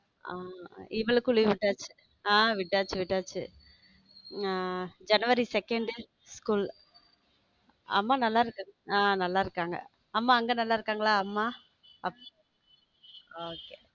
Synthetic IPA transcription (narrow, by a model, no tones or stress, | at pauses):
aɪʋɐɭɯkːʊɭiʋɪʈːaːt͡ʃːɯ̥ | aːʋɪʈːaːt͡ʃːɯʋɪʈːaːt͡ʃːɯ̰ | d͡ʒɐnɯʋɐɾisɛkːɛɳɖ | skuːl | ɐ̰mːaːnɐlːaːɪɾɯkːaãːnɐlːaːɪɾɯkːaːŋɡɐ̰ | ɐmːaːɐŋɡeːnɐlːaːɪɾɯkːaːŋɡɐɭaːɐmːaː | ɐpː | oːkeː